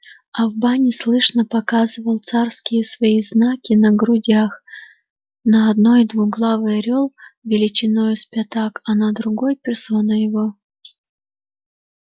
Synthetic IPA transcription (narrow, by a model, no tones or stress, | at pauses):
ɐvbanʲɪslˠɨʂnəpɐkazɨvəlˠt̪sarskʲɪjəsvɐiznakʲɪnəɡɾʊdʲax | nəɐd̪no̞jd̪vuɣɡlˠavɨjɐɾʲolˠvʲɪlʲɪt͡ɕɪnojʊspʲɐt̪akɐnɐd̪ɾʊɡojpʲɪrsonəjɪvo